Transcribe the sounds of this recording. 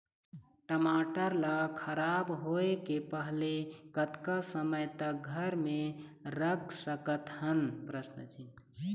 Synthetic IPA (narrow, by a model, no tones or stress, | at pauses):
ʈəmaʈəɾləkʰəɾabɦoekepəɦlekət̪kasəməjt̪əɡʱəɾmeɾək̚səkət̪hənpɾəsnət͡ʃʰi